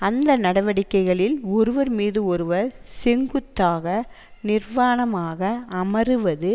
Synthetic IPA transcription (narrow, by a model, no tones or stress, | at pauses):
ɐnd̪ɐnɐɽɐʋɐɽɪkːɐɪɣɐɭɪlɔɾɯʋɐɾmiːðɯɔɾɯʋɐɾsɛŋɡɯt̪ːaːɣɐ | nɪɾʋaːɳɐmaːɣɐːmɐɾɯʋɐðɯ